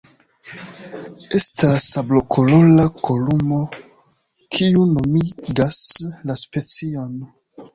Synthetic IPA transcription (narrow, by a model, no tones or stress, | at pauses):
e̞stasablo̞kʰolo̞lakʰolumo̞ | kʰiuno̞miɡaslaspe̞t͡sio̞n